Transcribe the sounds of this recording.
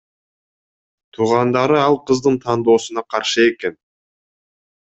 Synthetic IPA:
t̪ʰuːʁɑnd̪ɑɾɯɑlˠqɯzd̪ɯnt̪ʰɑnd̪o̞ːsunɑqʰɑɾʃɯe̞ke̞n

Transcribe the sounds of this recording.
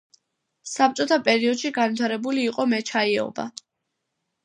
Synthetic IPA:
sap̚t͡ʃʼɔt̪ʰapʼɛɾiɔd̪̥ʃiɡanvit̪ʰaɾɛbuliːqʼɔmɛt͡ʃʰaiɛɔ̰ba̰

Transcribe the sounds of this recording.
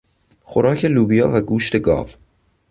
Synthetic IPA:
xoɾɒːcʰeluːbijɒːvæɡuːʃt̪e̞ɡɒ̰ːv

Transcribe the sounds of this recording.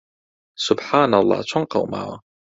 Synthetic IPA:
sʊbħaːnalˤːɑ̰ːt͡ʃʰɑŋqɑ̰wma̰wa̰

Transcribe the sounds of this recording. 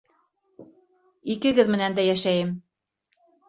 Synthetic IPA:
ikɘ̆ɡɘðmɘ̆nænd̪æjæʃæjɘm

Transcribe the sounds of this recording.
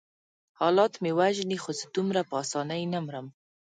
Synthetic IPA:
hɑlɑt̪mewaʒnixozəd̪umɾapəɑsɑnajnamɾəm

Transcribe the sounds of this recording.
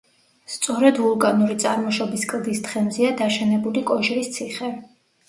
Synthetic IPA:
st̪sʼɔɾɛd̪vulˠkʼanuɾit̪sʼaɾmɔʃɔbiskʼlˠd̪ist̪χɛmziad̪aʃɛnɛbulikʼɔʃɾist̪sʰiχɛ

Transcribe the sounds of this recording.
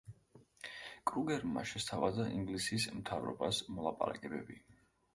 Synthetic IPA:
kʼɾuɡɛɾma̰ʃɛst̪ʰavazaʔiŋɡlisismt̪ʰavɾɔ̰basmɔlˠapʼa̰ɾa̰kʼɛbɛbi

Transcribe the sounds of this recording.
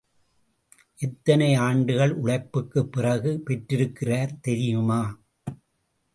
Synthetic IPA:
ʔɛt̪ːɐnɐɪaːɳɖɯɣɐɭʔʊɽɐɪpːɯkːɯpːɪrɐɣɯpɛʈrɪɾɯkːɪraːɾt̪ɛɾɪjɯmaː

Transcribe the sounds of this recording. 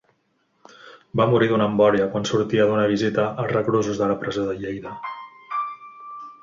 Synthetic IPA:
bamuɾiðunəmbɔɾiəkwansuɾt̪iəðunəβ̞izit̪əʔːlˠrəɣɾozuzðələpɾəzoðəʎejðə

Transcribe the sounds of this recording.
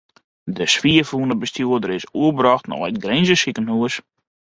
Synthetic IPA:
dəsʋiəfuənəbəstjuədəɾɪsuəbrɔxtnɔ̰ətɡrenzəsikənhuəs

